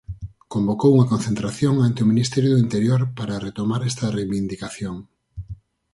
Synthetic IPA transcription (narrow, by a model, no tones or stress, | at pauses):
kombokowuŋɐkonθent̪ɾaθjoŋant̪eɪominist̪ɛɾjoðʊint̪eɾjoɾpaɾɐret̪omaɾɛst̪ɐrejβind̪ikaθjoŋ